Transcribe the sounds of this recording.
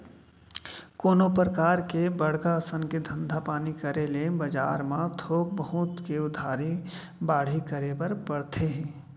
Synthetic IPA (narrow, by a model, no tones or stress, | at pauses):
koːnopɾəkaːɾkebəɽ̤kasənked̪ʱə̃nd̪ʱapaːnikəɾelebəd͡ʒa̰ːɾmãt̪ʰoːk̚bəɦʊt̪keʊd̪ʱaːɾi | baːɽ̤ikəɾebəɾbəɽ̤t̪ʰeɦɛ̃ː